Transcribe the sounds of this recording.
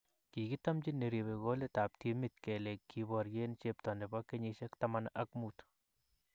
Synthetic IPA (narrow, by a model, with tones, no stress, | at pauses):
ki˨ɡi˦t̪a˦md͡ʒi˦nːe˨ɾi˨βe˨ɡo˦le˦t̪a˨p̚ti˦mi˨t̪̚ke˨le˨kːi˧bɔ˨ɾje˦nt͡ʃep̚t̪ɔ˨nde˨ba˦kːe˦ɲi˧ʃe˦kt̪ama˦na˦kmut̪